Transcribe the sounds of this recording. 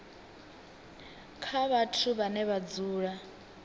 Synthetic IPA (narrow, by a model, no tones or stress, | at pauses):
kʰaβatʰuβanɛβad͡zuːɺa